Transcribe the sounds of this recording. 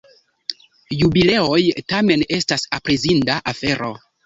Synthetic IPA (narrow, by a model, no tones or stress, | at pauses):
jubile̞o̞jtame̞ne̞stasapɾezindaʔafe̞ɾo̞